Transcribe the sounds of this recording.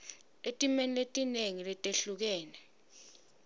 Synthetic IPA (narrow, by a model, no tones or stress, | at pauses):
etʼimɛniletʼineŋilɛtʼeɬuk̬ɛːnɛ